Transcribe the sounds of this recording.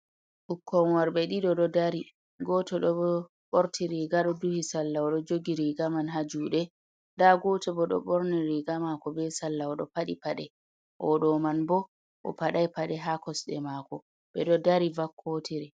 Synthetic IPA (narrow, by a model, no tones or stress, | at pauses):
ʔukʰːɔnwaɾbɛɗiɗɔɗɔdaɾi | ɡɔtɔɗɔ | ɓoɾtʰiɾiɡaɗɔduhisalːawɔɗɔd͡ʒoɡiɾiɡamanɦad͡ʒuɗɛ | ndaɡɔtɔbɔɗɔ̰ɓoɾniɾiɡamakɔbɛsalːawɔɗɔ̰paɗipaɗɛ | ʔɔ̰ɗɔmanbɔ | ʔɔ̰paɗajpaɗɛɦakɔsɗɛmakɔ | ɓɛɗɔdaɾivakʰːotʰiɾɛ